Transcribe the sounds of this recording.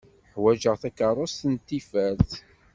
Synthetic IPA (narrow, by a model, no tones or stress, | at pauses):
ħwæʒəʁθækɑrˤʊst̪ənt̪ːifæɾθ